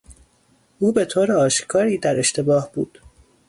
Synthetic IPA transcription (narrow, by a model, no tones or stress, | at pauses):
ʔuːbe̞t̪ʰoːɾeɒːʃkʰɒːɾiːd̪æɾe̞ʃt̪e̞bɒːhb̥ṵːd̪̥